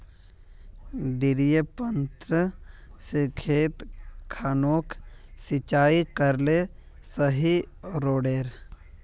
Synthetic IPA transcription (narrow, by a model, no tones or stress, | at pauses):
ɖɪɾijəpənt̪ɾəsikʰeːt̪kʰaːnoːksɪt͡ʃaːikəɾle | səɦi | ɾoːɖeːɾ